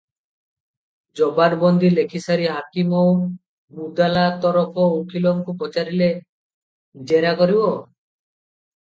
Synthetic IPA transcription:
d͡ʒɔbaɾbɔnd̪ilekʰisaɾiɦakimɔw | mud̪alat̪ɔɾɔpʰɔokilɔŋkupɔt͡ʃaɾile | d͡ʒeɾakɔɾibɔ

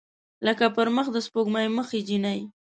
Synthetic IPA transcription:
ləkapəɾməxd̪əspoɡmajməxed͡ʒinaj

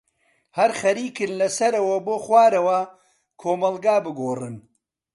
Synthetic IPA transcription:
hɐɾχɐɾiːkɨnlɐsɐɾɐwɐboːχwaːɾɐwɐ | kʰoːmɐlɡaːbɨɡoːrɨn

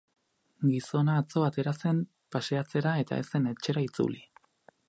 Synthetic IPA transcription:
ɡiso̞naːt͡so̞at̪e̞ɾase̞m | pase̞at͡se̞ɾae̞t̪a̰e̞se̞ne̞t͡ʃe̞ɾait͡sṵli

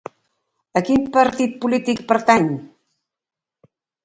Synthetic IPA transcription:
əkinpəɾt̪it̪̚pulit̪ikpəɾt̪aɲ

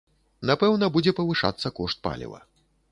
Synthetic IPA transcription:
napɛwnɐbud͡zʲɛpɐvɨʂa̰t̪sːɐkɔʂt̪̚pa̰lʲḭvɐ̰

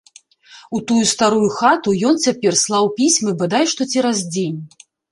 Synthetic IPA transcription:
ut̪ujust̪aɾujuxat̪ujɔnt͡sʲapʲɛrslˠawpʲisʲmɨbad̪ajʂt̪ɔt͡sʲiɾazd͡zʲenʲ

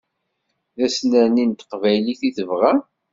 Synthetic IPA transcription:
ðæsnənint̪ə̥qvæjliθiθəvʁæ

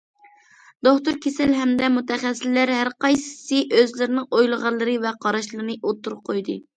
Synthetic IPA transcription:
d̪̥oχt̪uɾkʲʰesɪlɦɛmd̪ɛmut̪ʰɛχɛsːɪlːæɾɦæɾqɑjsɨ̥sɨʔøzlɪɾɪnɪŋojlˠəʁɑlˠːɨɾɨvɛqʰɑɾɑʃlˠɨɾɨnɨʔot̪ʰːuɾʊp̚qʰojd̪ɨ

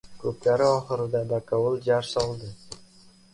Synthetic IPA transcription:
kʉp̚t̪ʲæɾɘɒχɤ̆ɾɤ̆d̪ɑd̪ɑkɑulˠʑɑrsɑlˠd̪ɤ

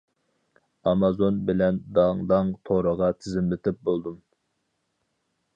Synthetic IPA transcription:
ɑmɑzonbɪlɛnd̪ɑŋd̪ɑŋt̪ʰoɾəʁɑt̪ʰɪzɪmlɪt̪ʰɪp̚bolˠd̪um

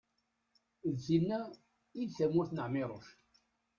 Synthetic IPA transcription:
ðθinːæ | iðθæmʊɾθnəʕmɪɾˤoʃ

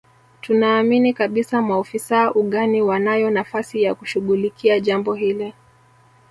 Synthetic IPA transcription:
tunaːminikaɓisamaɔfisaʔuɠaniwanajɔnafasijakuʃuɠulikiaʄambɔhilɛ

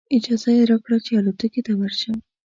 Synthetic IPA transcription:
ɪd͡ʒɑzajeɾɑkɽat͡ʃealot̪uket̪awaɾʃaw

